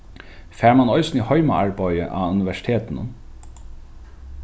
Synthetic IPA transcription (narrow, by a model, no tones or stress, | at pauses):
fæːɹmanɔʏsnihɔʏmaaɹbajə̰ʔa̰ʉnɪʋæʂɪ̥t̪ʰeːt̪ɪnʊ̰